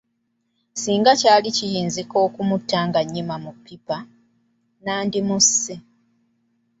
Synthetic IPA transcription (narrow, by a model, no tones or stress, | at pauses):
siːŋɡacaːlicijiːnziko̞ːkumutːaːŋɡaɲːimamupːipa | naːndimusi